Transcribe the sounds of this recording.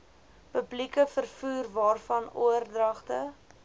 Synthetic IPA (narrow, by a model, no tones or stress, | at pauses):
pəblikəfərfuːrvɑːrfɐnuərdrɐχtə